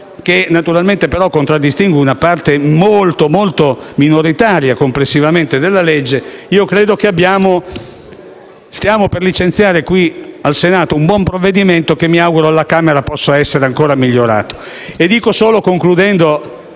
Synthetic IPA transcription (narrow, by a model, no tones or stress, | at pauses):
kenat̪uɾalment̪epeɾɔkːont̪ɾad̪ːist̪iŋɡwiunapart̪emolt̪omolt̪ominoɾit̪aːɾjakomplesːivament̪ed̪elːaled͡ʒːeiːokɾeːd̪okeabːjaːmo | st̪jaːmoperlit͡ʃent̪sjaːɾekwialsenaːt̪oumbwɔmpɾovːed̪iment̪okemːiawɡuɾoalːakaːmeɾapɔsːoɛsːeɾeaŋkoːɾamiʎːoɾa̰ːt̪o̥ | ed̪iːkosoːlokoŋklud̪ɛnd̪o